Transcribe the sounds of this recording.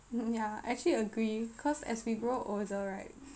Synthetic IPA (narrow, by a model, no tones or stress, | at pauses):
jaa̰ɛk̚t͡ʃəliəɡɹikʰɔsɛ̰swiɡɹoʔozəɹaɪt̚